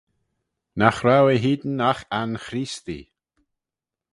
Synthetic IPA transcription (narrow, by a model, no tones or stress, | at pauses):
naxɾawəɦiːd̪n̩axanxɾist̪ḭ